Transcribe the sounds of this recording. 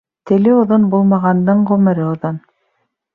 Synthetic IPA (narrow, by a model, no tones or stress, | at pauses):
t̪ɘ̆lɘŏðonbulˠmɑʁɑnd̪ɤɴʁɵ̆mɘ̆ɾɘŏðon